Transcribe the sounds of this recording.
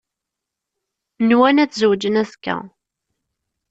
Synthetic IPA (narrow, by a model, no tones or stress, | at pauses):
nwænæt͡sːzwd͡ʒənæθkːæ̰